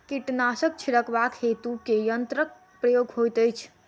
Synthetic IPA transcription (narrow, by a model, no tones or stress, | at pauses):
kiʈnasək̚t͡ʃʰiɾəkʰbakhet̪ukejənt̪ɾək̚ | pɾəjoɡɦojt̪əjt͡ʃʰ